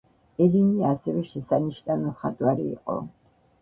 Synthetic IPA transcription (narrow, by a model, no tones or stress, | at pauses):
ɛliniasɛvɛʃɛsaniʃnanɔχat̪ʼwaɾḭːqʼɔ̰